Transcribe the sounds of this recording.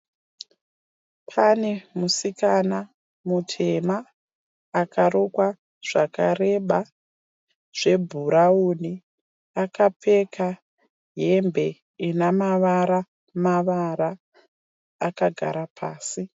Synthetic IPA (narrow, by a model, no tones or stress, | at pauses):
pʰanemusikana | mutʰe̞maː | kaɾokwa | ʐ̥akare̞ɓa | ʐ̥e̞bʱuɾauni | akap͡fekʰa | ɦembʱe̞ | inamaʋaɾa | maʋaɾa | kaɡʱa̰ɾapʰaːsi